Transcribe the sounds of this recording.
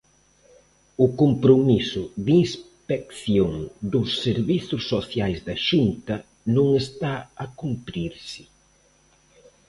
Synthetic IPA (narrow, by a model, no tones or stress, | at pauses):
ʊkompɾomisʊðinspekθjoŋd̪ʊsːeɾβiθʊsːoθjajzd̪ɐʃunt̪ɐ | nõŋest̪aɐkumpɾiɾsɪ̥